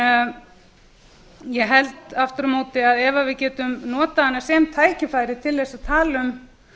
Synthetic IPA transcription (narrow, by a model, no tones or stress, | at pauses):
jɛɦɛlt̪aft̪ʏɾʏmoːt̪ɪaðɛvavɪðcɛːt̪ʏmnɔːt̪aanːasɛmt̪ʰaːjcɪfaːjɾɪt̪ʰɪlːɛsaðt̪ʰaːlʏm